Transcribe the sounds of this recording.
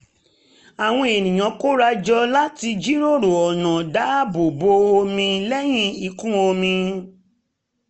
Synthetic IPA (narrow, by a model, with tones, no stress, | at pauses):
a˨w̃ɔ̃˧e˨nĩ˨j̃ã˨˦ko˦ɾa˧d͡ʒɔ˧la˦ti˧d͡ʒi˦ɾo˦˨ɾo˨ɔ˨nã˨da˨˦bo˨bo˧˦o˧mĩ˧lɛ˦j̃ĩ˦i˨˧˨kũ˦o˧mĩ˧